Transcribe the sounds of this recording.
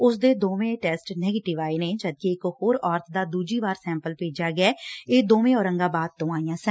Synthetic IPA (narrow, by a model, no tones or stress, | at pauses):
ʊsd̪eːd̪oːmẽːʈɛːsʈnɛːɡeːʈɪʋaːeːnẽːd͡ʒəd̪̚keɪkhoːɾɔːɾt̪ʰd̪aːd̪uːd͡ʒiːbaːɾsɛ̃ːmpəlpeːd͡ʒaːɡɪɛːeːd̪oːmẽːɔːɾəŋɡaːbaːd̪̚t̪õːaːijãːsɛ